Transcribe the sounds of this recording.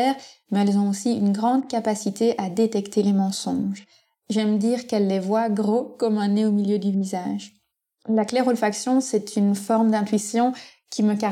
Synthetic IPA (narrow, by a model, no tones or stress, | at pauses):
ɛːʁmɛɛlzɔ̃osiynɡʁɑ̃d̪kapasit̪eʔad̪et̪ɛkt̪elemɑ̃sɔ̰̃ʒ | ʒɛmd̪iːʁkɛlːevwaɡʁokɔmɛ̃neomiljød̪yvizaːʒ | laklɛʁolfaksjɔ̃sɛt̪ʰynfɔʁmd̪ɛ̃t̪ɥisjɔ̃ | kʰʲiməka